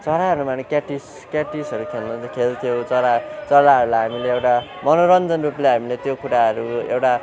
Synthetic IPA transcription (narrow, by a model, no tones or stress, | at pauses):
t͡sʌɾaɦʌɾumanekaʈis | kaʈisʌɾukʰelnat͡sakʰelt̪ʰijowt͡sʌɾat͡sʌlaʌɾulajɦamileewʈamʌnoɾʌnd͡zʌnrupleɦamilet̪jokuɾaɦʌɾuḛwʈa